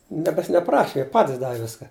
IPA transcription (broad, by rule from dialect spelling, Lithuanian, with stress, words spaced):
ˈnʲiɛkɐs nʲɛˈprɑːʃʲɪ ˈjiɛ ˈpɑːtʲɪs ˈdɑːʋʲɪ ˈʋʲɪskɐ